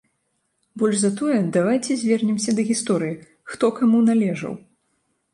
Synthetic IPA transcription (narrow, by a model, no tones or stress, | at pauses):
bɔlʲʐzɐt̪ɔjɛd̪avajt͡sʲɛzʲvʲɛrnʲɛmsʲɐd̪ɐɣʲist̪ɔɾɨji | xt̪ɔkamunalʲɛʐɐ̰w